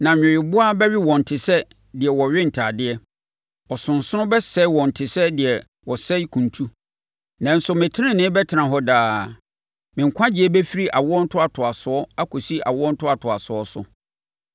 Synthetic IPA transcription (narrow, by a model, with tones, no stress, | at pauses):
nã˨ɲᶣɪ̃˨ɥɪ˨bʊ˦a˦bɛ˦ɥɪ˦wɔ̃˨n̩˨tʰɪ˨sɛ˦ | dɪ˨ɛ˨wɔ˨ɥᶣɪ˦n̩˨tʰaː˨dɪ˦ɛ˦ | ɔ˨sʊ̃˨n˨sʊ˦nʊ̃˦bɛ˦sɛ˦wɔ̃˨n̩˨tʰɪ˨sɛ˦dɪ˨ɛ˨ | wɔ˨sɛ˦i˦kʰũ˨n˨tʰu˦ | nã˨n̩˦sʊ˨mɪ̃˨tʰɪ˦ɪ̃˦nɪ̃˦bɛ˦tʰɪ˨nã˨ɦɔ˦daː˨˦ | mɪ̃˨ŋ̩˨kʷʰã˦d͡ʑɪ˦ɛ˦bɛ˦fi˦ɾi˦ʔa˨wɔ˦n̩˦tʰʊ˦a˨tʰʊ˨a˨sʊ˨ɔ˦a˦kʰo˨si˦ʔa̰˨wɔ˦n̩˦tʰʊ˦a˨tʰʊ˨a˨sʊ˨ɔ˦sʊ̰˨